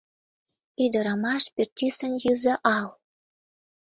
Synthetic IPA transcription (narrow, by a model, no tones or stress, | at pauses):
id̪ə̆ɾɑmɑʃpertʲisənjyzə̆ʔɑl